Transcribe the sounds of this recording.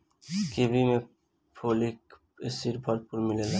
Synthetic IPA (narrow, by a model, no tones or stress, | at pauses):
kebimẽ | pʰoːlik | ɪsiɾbʱɔɾpuɾmɪlela